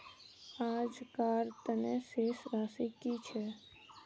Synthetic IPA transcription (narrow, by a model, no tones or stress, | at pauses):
ad͡ʒkaɾt̪əneʃeʃɾasikit͡ʃʰe